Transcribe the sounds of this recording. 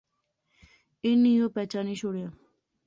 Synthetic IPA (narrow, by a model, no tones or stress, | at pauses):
enijopɛt͡ɕaniʃoɽe